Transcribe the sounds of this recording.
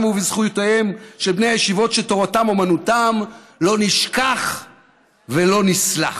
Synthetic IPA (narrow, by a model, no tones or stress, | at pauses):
muvizχujotehemʃebnejajeʃivo̞tʃeto̞ʁatamomanutamlo̞niʃkaχ | velo̞nisla̰